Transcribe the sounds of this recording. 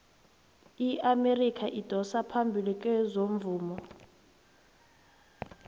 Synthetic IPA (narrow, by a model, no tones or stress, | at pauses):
iamerikʰaʔid̥ʱɔsapʰambʱilik̬ʼɛzoɱvuːmɔ